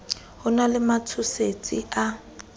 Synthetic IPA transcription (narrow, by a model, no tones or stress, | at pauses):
hʊnalɪmat͡sʰʊset͡sʼia